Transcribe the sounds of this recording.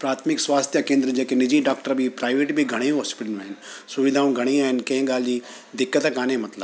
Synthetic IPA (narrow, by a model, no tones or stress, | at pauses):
pɾaːt̪ʰmɪkswaːst̪ʰjəkẽːnd̪ɾəd͡ʒeːkenɪd͡ʒiːɖaːk̚ʈəɾbʱipɾaːɪʋeːʈbʱiɡʱɐɽ̃eɦɔːspɪʈənũɦɛnsʊʋɪd̪ʱaːũːɡʱɐɽ̃eːãːɦɪnkeẽːɡaːld͡ʒiː | d̪ɪkːət̪ekaːnẽmɐt̪ləb